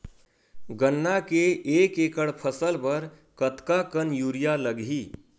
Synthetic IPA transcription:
ɡənːakeekekəɽpʰəsəlpəɾ | kət̪kakənjuɾijaləɡɦi

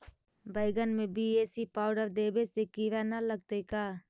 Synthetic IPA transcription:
bəɪɡənmẽbiːeːsipaːʊɖəɾd̪eːbesekiʋanaləɡ̚t̪ekaː

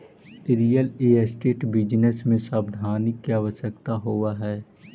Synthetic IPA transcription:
ɾijəleːəsʈeːʈbɪd͡ʒnəsmẽsaːbd̪ʱaːnɪkːiaːʋəʃəkt̪aɦoːaɦɛː

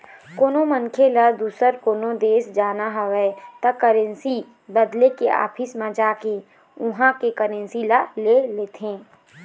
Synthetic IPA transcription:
koːnoməŋkʰelad̪uːsəɾkoːnod̪eːsd͡ʒaːnaɦɐʋɛt̪ɐkəɾẽnsi | bəd̪lekeʔa̰ːpʰɪsmãd͡ʒaːke | ʊɦãkekəɾẽnsilaleleːt̪ʰẽː

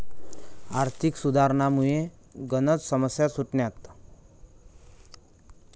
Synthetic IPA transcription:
aɾt̪ʰiksud̪ʱaɾɳamuje | ɡənət͡ssəməsjasuʈɳjat̪

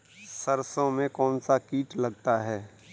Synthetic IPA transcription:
səɾsõmẽkɔːnsakiːʈlɐɡ̚t̪aɦɛː

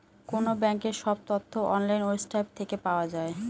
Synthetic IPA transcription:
konobɛŋkeɾʃɔb̚t̪ot̪ʰːoʔɔnlajnosʈajb̚t̪ʰekepaoad͡ʑae

